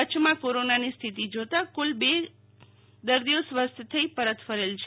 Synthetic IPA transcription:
ət͡ʃʰmãkoɾonanist̪ʰit̪id͡ʒot̪akulbe | d̪əɾd̪iosʋəst̪ʰət̪ʰəipəɾət̪fəɾelt͡ʃʰ

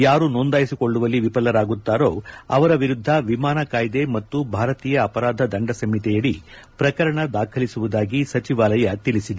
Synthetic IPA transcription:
jaːɾunond̪aːjisikoɭːuʋɐlːiʋipɐlːɐɾaːɡut̪ːaːɾoːɐ̰ʋɐɾɐʋiɾud̪ʱːɐʋimaːnɐkaːjd̪emɐt̪ːubʱaːɾɐt̪iːjɐːpɐɾaːd̪ʱɐd̪ɐɳɖɐsɐmit̪ɛjɐɽi | pɾɐkɐɾɐɳɐd̪aːkʰɐlisuʋud̪aːɡisɐt͡ʃiʋaːlɐjɐt̪ilisid̪e

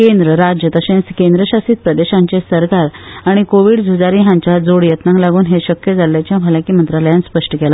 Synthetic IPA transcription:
kend̪ɾəɾad͡ʑjət̪əsẽskend̪ɾəɕasiːt̪̚pɾəd̪eɕãɲt͡ɕesəɾkaɾaɽ̃ikoʋiːɽd͡zʱud͡zaɾiɦãɲt͡ɕad͡zoɽjət̪nãŋɡlaɡuːnɦeɕəkjəd͡zalːjat͡ɕjãʋʱəlakiːmənt̪ɾaləjãnspəʂʈəkela

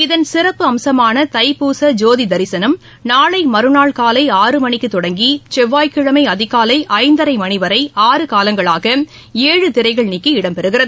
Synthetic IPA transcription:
ɪðɐnsɪrɐpːɯɐmsɐmaːnɐt̪ɐɪpuːsɐd͡ʒoːðid̪ɐɾɪsɐnɐm | naːɭɐɪmɐɾɯnaːɭkaːlɐɪaːrɯmɐɳɪkːɯt̪ːɔɽɐŋɡit͡ʃɛʋːaːjkɪɻɐmɐɪɐðɪɣaːlɐɪʔɐɪnd̪ɐɾɐɪmɐnɪʋɐɾɐɪaːrɯkaːlɐŋɡɐɭaːɣɐ | eːɻɯt̪ɪɾɐɪɣɐɭnikːɯɪɽɐmpɛɾɯɣɪrɐðɯ

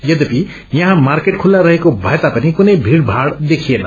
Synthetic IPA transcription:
jʌd̪ʌpi | jaɦãmarkeʈkʰulːaɾʌɦekobʱʌjt̪apanikunejbʱiɽbʱaɽd̪ekʰijena

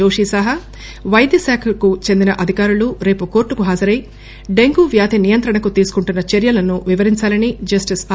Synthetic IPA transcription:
oːʂiːsɐɦɐ | ʋɐjd̪jɐsaːkʰɐkut͡ʃe̞nd̪inɐʔɐd̪ʱikaːɾuluɾe̞ːpukoːɾʈːukuɦaːd͡ʒɐɾɐji | ɖeŋɡuːʋjaːt̪inijɐnt̪ɾɐɳɐkut̪iːsu̥kuɳʈunːɐt͡ʃe̞ɾjɐlɐnuʋiʋɐɾiɲt͡ʃaːlɐnid͡ʒɐsʈis

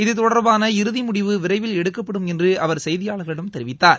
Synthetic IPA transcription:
ɪðɯt̪ːɔɽɐɾbaːnɐɪɾɯðimʊɽɪʋɯʋɪɾɐɪʋɪlɛɽɯkːɐpːɐɽɯmɛndrɯɐʋɐɾsɐjðɪjaːɭɣɐɭɪɽɐmt̪ɛɾɪʋɪt̪ːaːɾ

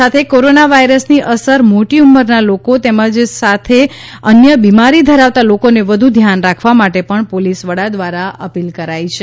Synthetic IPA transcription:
sat̪ʰekoɾonaʋaiɾəsniʔəsəɾmoʈiumːəɾnalokot̪eməd͡ʒsat̪ʰeənjəbimaɾid̪ʱəɾaʋt̪alokoneʋəd̪ʱud̪ʱjanɾakʰʋamaʈepəɳpolisʋəɽad̪ʋaɾaʔəpilkəɾajt͡ʃʰe

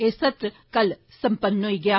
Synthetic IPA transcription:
eːsət̪ɾə | kəl | sə̃mpənɦoːiːɡɪjaː

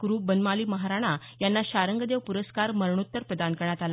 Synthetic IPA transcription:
ɡɾuːbənmaliːməɦaɾaɽ̃a | janːaɕaɾəŋɡəd̪eʋpuɾəskaɾməɾɳut̪ːəɾpɾəd̪ʱankəɳ̃at̪ala

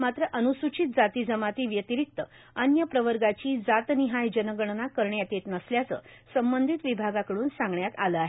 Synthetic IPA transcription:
mat̪ɾəʔənusut͡ɕit̪̚d͡zat̪iːd͡zəmat̪iːʋjət̪iɾik̚t̪ə | ənjəpɾəʋəɾɡat͡ɕiːd͡zat̪niɦajd͡ʑənəɡəɳnakəɾɳjat̪et̪nəsljat͡sə̰ː | səmbənd̪ʱit̪ʋibʱaɡakəɽuːnsãŋɡɳjat̪aləaɦe

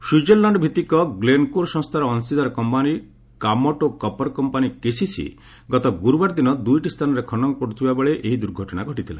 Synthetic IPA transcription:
sud͡ʒellaɳɖbʱit̪ikɔɡlenkoɾsɔ̃st̪ʰaɾɔːnsid̪aɾɔkɔmpani | kamɔʈokɔpɔɾkɔmpanikesisḭ | ɡɔt̪ɔɡuɾubaɾd̪inɔd̪ujʈist̪ʰanɔɾekʰɔnɔŋkoɽut̪ʰibabeɭeʔeɦid̪uɾɡʱɔʈɔɽ̃aɡʱɔʈit̪ʰila̰

